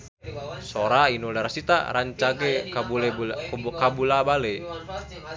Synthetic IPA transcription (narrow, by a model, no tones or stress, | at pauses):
soɾainulɛɾasit̪a̰ɾaɲt͡ʃaɡɛul | kabulabale